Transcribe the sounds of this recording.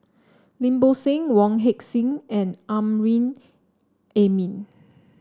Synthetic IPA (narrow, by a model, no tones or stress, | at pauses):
lĩmbosẽŋwɔ̃ŋɦɛksĩŋɛ̃nʔãmɹĩn | emĩn